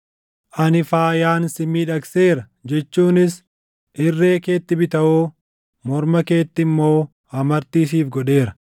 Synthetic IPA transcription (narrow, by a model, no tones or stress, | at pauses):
ʔɐnɪfaːjaːnsɪmiːᶑɐkse̞ːɾɐ | d͡ʒɛt͡ʃːuːnɪs | ʔɪrːe̞ːke̞ːt̪ːɪbɪt̪ɐʔoː | mɔɾmɐke̞ːt̪ːɪmːo̞ː | ɐmɐɾt̪iːs̬iːfɡɔᶑe̞ːɾɐ̥